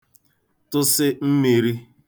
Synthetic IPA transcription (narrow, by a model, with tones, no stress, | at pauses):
tʊ˦sɪ˦m̩˦mi˨ɾi˦